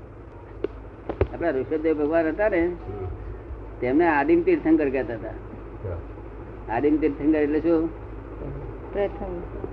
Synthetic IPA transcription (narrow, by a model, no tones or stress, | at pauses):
apɽ̃aɾukʃəb̚d̪eʋbʱəɡʋanɦət̪ane | t̪emneaɖimt̪iɾt̪ʰəŋkəɾkɛt̪aɦət̪a̰ | aɖimt̪iɾt̪ʰənkəɾeʈleʃu | pɾət̪ʰəm